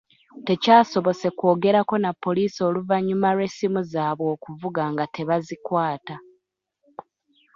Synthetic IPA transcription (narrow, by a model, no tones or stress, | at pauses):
te̞caːso̞βo̞se̞kwo̞ːɡe̞ɾako̞napːo̞liːso̞ːluvaɲːumaɾe̞simuzaːβwo̞ːkuvuɡaŋɡate̞βazikwaːta